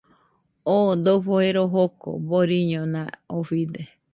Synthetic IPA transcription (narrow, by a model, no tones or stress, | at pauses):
od̪oɸoeɾoɦoko̰boɾiɲõnãofid̪e